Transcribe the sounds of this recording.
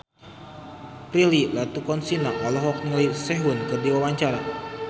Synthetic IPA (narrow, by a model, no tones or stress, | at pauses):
pɾililat̪ukɔnsinaʔalɔɦɔk̚nəŋlisɛɦunkɨrdiwawaɲt͡ʃaɾa̰